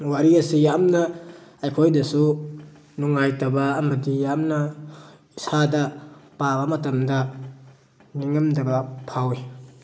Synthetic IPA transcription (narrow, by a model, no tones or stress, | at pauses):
waɾiɐsijamnɐːjkʰojdɐsu | nuŋajtɐbaːmɐdijamna | isadɐpabamɐtɐmdɐ | niŋɐmdɐbɐpʰawi